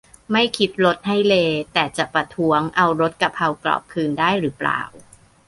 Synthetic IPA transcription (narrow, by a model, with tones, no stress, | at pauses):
ma˥˩jkʰi˦˥t̪̚ɾo˦˥t̪̚ha˥˩jleː˧t̪ɛː˨˩t͡ɕa˨˩ʔpɾa˧t̪ʰu˦˥əŋʔa˧wɾo˦˥t̪̚ka˧pʰa˧wklɔ̰ː˨˩p̚kʰɯː˧ndaː˥˩jɾɯː˩˦pla̰ː˨˩w